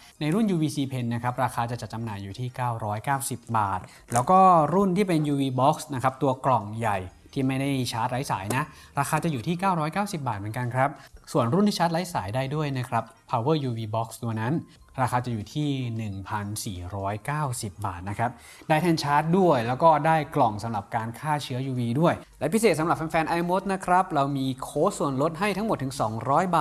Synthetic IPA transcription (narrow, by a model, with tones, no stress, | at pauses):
na˧jɾu˥˩njuː˧wiː˧siː˧pʰe˧nːa˦˥kʰɾa˦˥p̚ɾaː˧xʰaː˧t͡ɕa˨˩t͡ɕa˨˩t̪̚t͡ɕa˧mnaː˨˩jːuː˨˩t̪ʰiː˥˩kaː˥˩wɾɔː˦˥jkaː˥˩wsi˨˩p̚baː˨˩t̪̚ | lɛː˦˥wkɔː˥˩ɾu˥˩nt̪ʰiː˥˩pe˧njuː˧wiː˧bɔ˦˥k̚sna˦˥kʰɾa˦˥p̚t̪u˧ɐklɔ˨˩ŋja˨˩jt̪ʰiː˥˩ma˥˩jda˥˩jt͡ɕʰaː˦˥t̪̚ɾa˦˥jsa̰ː˩˦jna˦˥ʔ | ɾaː˧xʰaː˧t͡ɕa˨˩juː˨˩t̪ʰiː˥˩kaː˥˩wɾɔː˦˥jkaː˥˩wsi˨˩p̚baː˨˩t̪m˩˦ŋka˧nkʰɾa˦˥p̚su˨˩ənɾu˥˩nt̪ʰiː˥˩t͡ɕʰt̪̚la˦˥jsaː˩˦jdaː˥˩jdu˥˩əjna˦˥kʰɾa˦˥p̚ʰːaː˧wɤː˥˩juː˧wiː˧bɔ˦˥k̚st̪u˧əna˦˥n | ɾaː˧xʰaː˧t͡ɕa˨˩juː˨˩t̪ʰiː˥˩nɯ˨˩ŋpʰa˧nsḭː˨˩ɾɔː˦˥jkaː˥˩wsi˨˩p̚ba̰ː˨˩t̪̚na˦˥kʰɾa˦˥p̚ | daː˥˩jt̪ʰɛː˥˩nt͡ɕʰaː˦˥t̪̚du˥˩əjlɛː˦˥wkɔː˥˩daː˥˩jklɔ˨˩ŋsa˩˦mɾa˨˩p̚kaː˧nkʰaː˥˩t͡ɕʰɯ˦˥ɐjuː˧wiː˧du˥˩əjlɛ˦˥pʰi˦˥seː˨˩t̪̚sa˦ɾa˨˩p̚ʰaː˧nfɛː˧nʔa˧jmo˦˥t̪̚na˦˥kʰɾa˦˥p̚ɾa˧wmiː˧kʰoː˦˥su˨˩ənlo˦˥t̪̚ɦa˥˩jt̪ʰa˦˥ŋmo˨˩t̪ːʰɯ˩˦ŋsɔː˩˦ŋɾɔː˦˥jbaː˨˩